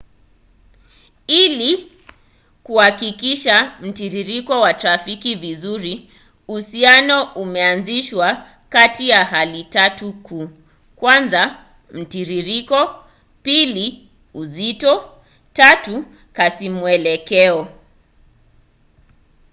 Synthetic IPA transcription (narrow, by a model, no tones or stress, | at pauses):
ili | kuhakikiʃam̩tiɾiɾikɔwatɾafikivizuɾi | uhsianɔʔumɛanziʃwa | katijaɦalitatukuː | kwanza | m̩tiɾiɾikɔ | pili | uzitɔ | tatu | kasimwɛlɛkɛɔ